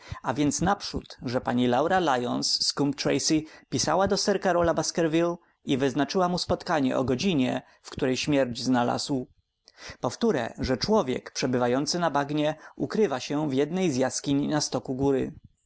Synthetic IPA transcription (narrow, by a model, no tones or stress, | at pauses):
avʲjɛnt̪snapʂṵt̪ʐɛpaɲilawɾalajɔnsːkumpt̪ɾɛ̰jsipʲisa̰wad̪ɔsɛɾkaɾɔlabaskɛɾvʲil | ivɘznat͡ʂɘwamuspɔt̪kaɲɛ̰ʔɔ̰ɡɔd͡ʑiɲɛ | fkt̪uɾɛjɕmʲjɛɾd͡ʑznala̰zw | pɔft̪uɾɛ̰ʐɛt͡ʂwɔvʲjɛ̰kpʂɛbɘvajɔnt̪sɘnabaɡɲɛukɾɘvaɕɛvjɛd̪nɛjzʲjaskʲiɲnast̪ɔkuɡuɾɘ̰